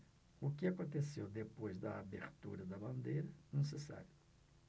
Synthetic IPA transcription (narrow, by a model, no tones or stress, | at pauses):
ʊkɪakõnt̪esewd̪epojzd̪ɐabeɾt̪ṵɾɐd̪ɐbɐ̃nd̪ejɾɐnesesa̰ɾjʊ